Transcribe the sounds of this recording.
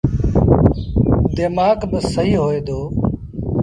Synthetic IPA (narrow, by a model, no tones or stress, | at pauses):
d̪eːmaːkbəsəɦiːɦoːeːd̪oː